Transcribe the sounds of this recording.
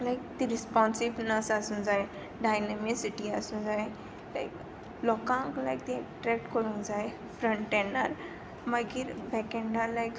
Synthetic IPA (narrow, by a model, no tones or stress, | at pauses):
lajk̚t̪iɾispɔ̃nsibnəsasũd͡zae | ɖajnemisiʈiasũd͡zaj | la̰jk | lɔkãŋklajkt̪iɛkʈɾɛk̚ʈkəɾũd͡zaj | fɾə̃ɳʈːenə̰ɾ | maɡiɾbɛkẽɳɖalajk